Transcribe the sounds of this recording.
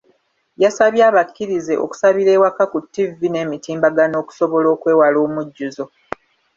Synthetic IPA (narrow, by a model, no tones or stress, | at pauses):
jasaβjaːβakːiɾize̞ʔo̞̰ku̥saβiɾe̞ːwakakutːivine̞ːmitiːmbaɡano̞ːku̥so̞βo̞lo̞ːkwe̞ːwalo̞ːmuɟːuzo̞